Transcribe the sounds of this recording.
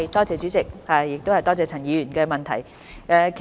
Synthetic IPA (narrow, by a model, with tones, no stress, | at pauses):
jt̪ɔː˥t͡sɛː˨˧t͡ʃy˨˥t͡sɪ˨k̚ha˨jɪ˨k̚t̪o˥whɐ˨jt̪ɔː˥t͡sɛː˨˧t͡sʰɐ˨˩njiː˨˧ɥyː˨˩nkɛ˧mɐ˨nt̪ʰɐ̰˨˩j | ʔɛ˨˧kʰ